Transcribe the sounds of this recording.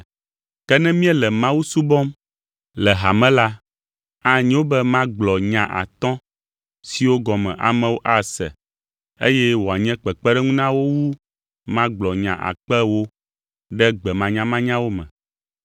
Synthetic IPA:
kɛ˦nɛ̃˦mĩ˦ɛ˦lɛ˨mã˦wu˦su˦bɔ˦m | lɛ˨ɦa˨mɛ̃˦la˦ | a˦ɲɛ̃˦wo˦bɛ˦mã˦ɡ͡blɔ˨ɲã̰˨ʔa̰˨t̪ɔ̃˦ | si˨wo˦ɡɔ˨mɛ̰̃˨ʔa̰˨mɛ̃˨wo˦ʔa˦˨sɛ̰˨ | ḛ˦jɛ˦wo˨a˨ɲɛ̃˦k͡pɛ˨k͡pɛ˦ɖɛ˦ŋũ˦nã˦wo˦wu˦ | mã˦ɡ͡blɔ˨ɲã̰˨ʔa̰˨k͡pɛ˦wo˦ | ɖɛ˦ɡ͡bɛ˨mã˨ɲã˦mã˦ɲã˦wo˦mɛ̰̃˨

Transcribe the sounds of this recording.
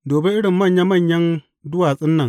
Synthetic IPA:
doː˨be˦ʔɪ˦ɽɪ˨mːɐ˦˨ɲja˦mɐ˦˨ɲjɐ˦n | dʊ˦waː˨sʼɪ˦nːɐ˨ŋ

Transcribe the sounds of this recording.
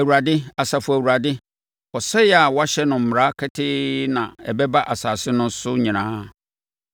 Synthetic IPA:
æ˨wu˨ɾa˨dɪ˦a˨sa˨fʊ˨æ˨wu˨ɾa˨dɪ˦ | ɔ˨sɛ˦jɛ˦a˨wa˦ɕɛ˦nʊ̃˨m̩˨m˨ɾa˦kʰɛ˦tʰɪ˦nã˨ɛ˨bɛ˦ba˦ʔa˨saː˨sɪ˦nʊ̃˦sʊ˦ɲĩ˨nãː˦

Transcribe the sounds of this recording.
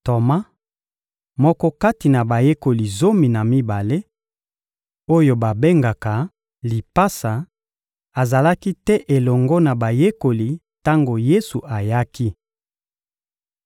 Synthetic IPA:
to˨ma˦ | mɔ˦kɔ˦ka˦ti˨na˨ba˨je˦ko˨li˨zo˦mi˨na˨mi˦ba˨le˦ | o˦jo˨ba˨be˦ŋɡa˨ka˨ | li˨pa˦sa˨ | a˨za˨la˦ki˦tɛ˦ʔe˨lɔ˨ŋɡɔ˦na˨ba˨je˦ko˨li˨ | ta˦ŋɡo˨je˦su˨ʔa˨ja˦ki˦

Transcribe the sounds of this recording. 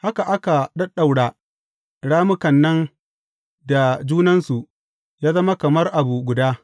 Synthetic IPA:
ha˦ka˨ʔa˦ka˨ɗɐ˦ɗa˨wɽaː˨ | ɽaː˦mʊ˦kɐ˨nːɐ˦n | da˨d͡ʒuː˦nɐ˦nsu˨ʔ | jaː˦zɐ˦ma˦kɐ˨mɐ˦rʔa˨bu˨ɡʷʊ˨daː˦

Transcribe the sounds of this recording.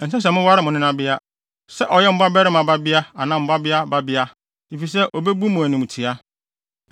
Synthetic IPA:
n̩˨sɛ̃˦s̬ɛ˨mʊ̃˦wa˦ɾɪ˦mʊ̃˨nɪ̃˦ã˨bɪ˦a˦ | sɛ˦ʔɔ˨jɛ˦m̩˦ba˦bɛ˦ɾɪ˦mã˨ba˦bɪ˦a˦a˨nã˨m̩˨ba˦bɪ˦a˦ba˦bɪ˦a˦ | i˨fi˨s̬ɛ˦ʔɔ˨bɛ˦bu˦mʊ̃˨æ˨nɪ̃˨m̃˨tʰi˨a˦

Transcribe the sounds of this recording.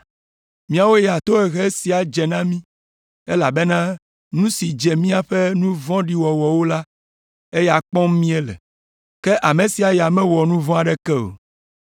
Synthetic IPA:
mĩ˦a˨wo˦jɛ˨a˨t̪o˦ɛ˨ɣe˦si˨a˨d͡ʒɛ˨nã˦mĩ˦ | e˦la˨be˦nã˦ | nũ˦si˨d͡ʒɛ˨mĩ˦a˨ɸɛ˦nũ˦vɔ̃˦ɖi˦wɔ˨wɔ˨wo˦la˦ | e˦ja˨k͡pɔ̃˦m˦mĩ˦e˦lɛ̰˨ | kɛ˦ʔa˨mẽ˨si˨a˨ja˨mɛ̃˦wɔ˨nũ˦vɔ̃˦a˨ɖɛ˦kɛ˦o̰˨

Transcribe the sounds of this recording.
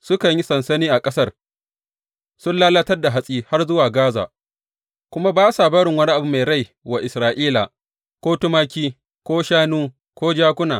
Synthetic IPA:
sʊ˦kɐ˨ɲji˦sɐ˨nsɐ˦niː˦ʔa˨kʼɐ˦sɐ˦r | sʊ˦nlaː˦lɐ˦tɐ˦rda˨ɦa˦sʼiː˦ha˦rzʊ˦waː˨ɡaː˦za̰ː˨ | kʷʊ˦ma˦baː˦saː˨bɐ˦ɽɪ˨ŋwɐ˦ni˦ʔa˨bʊ˦mːa˨ɽa˦j | wa˨ʔɪ˨sɾaː˨ʔiː˦la̰˨ | kʷoː˦tʊ˦maː˦kʲiː˦ | kʷoː˦ʃaː˦nuː˦ | kʷoː˦d͡ʒaː˦kʷʊ˦naː˨

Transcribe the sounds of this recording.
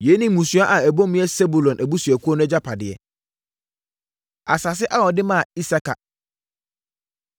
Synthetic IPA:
je˨˦nĩ˨˦mũ˨su˨a˦ʔa˨ɛ˨bõ˦mɪ̃˦ɛ˦sɛ˦bu˨lɔ̃˨nʔæ˨bu˦su˨ɛ˨kʰu˦ɔ˦nʊ̃˦ɛ˦d͡ʑa˦pʰa˨dɪ˨ɛ̰˨ | a˨sa˨s̬ɪ˦ʔa˦wɔ˨dɪ˦mã˦˨i˦sa˦ka̰˨

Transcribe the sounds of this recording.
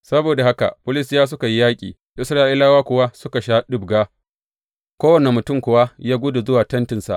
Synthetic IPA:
sɐ˦boː˨da˨ha˦ka̰˨pʊ˦lɪ˦stɪ˦jaː˦s̬ʊ˦ka˨ji˦jaː˦kʲʼḭː˨ | ʔɪ˦sɾaː˦ʔi˦laː˦waː˦kʷʊ˨wa˦sʊ˦ka˨ʃaː˦ɗʊ˦bɡaː˦ | kʷoː˦wɐ˨nɛ˨mʊ˨tʊ˦mkʷʊ˨wa˦jaː˦ɡʷʊ˦dʊ˨zʊ˦waː˨tɐ˦ntɪ˨nsa̰˨ʔ

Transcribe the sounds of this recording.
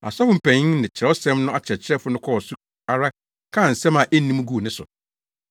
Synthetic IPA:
a̰˨sɔ˦fʊ˨˦m̩˨pʰæ̃˨ɲĩ˦nɪ̃˨t͡ɕʰɪ˨ɾɛ˨˦ɔ˦sɛ̃˦mnʊ̃˦ʔa˨t͡ɕʰɛ˨t͡ɕʰɪ˦ɾɛ˦fʊ˦nʊ̃˦kʰɔ˦ɔ˨sʊ˦ | a˨ɾa˦ | kʰã˦˨n̩˨sɛ̃˦mã˨ʔe˦n˦nĩ˦mũ˦ɡu˦˨nɪ̃˦sʊ̰˨

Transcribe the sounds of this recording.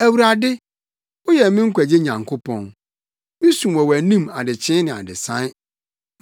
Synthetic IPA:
æ˨wu˨ɾa˨dɪ˦ | ʊ˦jɛ˨mɪ̃˦ŋ̩˦kʷʰæ˨d͡ʑe˦ɲã˨ŋkʰo˦pʰɔ̃˨n | mɪ̃˦sũ˨mwɔ˨wæ˨nĩ˦˨ma˨dɪ˨t͡ɕʰɪ̃˦nɪ̃˨a̰˨dɪ˨sã˦ɪ˦

